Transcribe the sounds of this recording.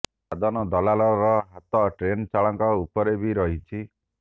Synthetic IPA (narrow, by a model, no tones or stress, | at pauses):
ad̪ɔnɔd̪ɔlalɔɾɔɦat̪ɔʈɾent͡ʃaɭɔŋkɔupɔɾebiɾɔɦit͡ʃʰi